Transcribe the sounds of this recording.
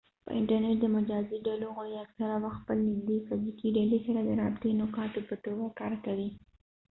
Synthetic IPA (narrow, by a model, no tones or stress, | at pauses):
pə̰ʔɪ̰ɳʈaɾneʈ̚d̪əmad͡ʒɑziɖaloɣoiaksaɾawaxt̪̚pəlnɪzd̪efazikiɖalisaɾad̪əɾɑbt̪enokɑʈopəʈowakɑɾkawi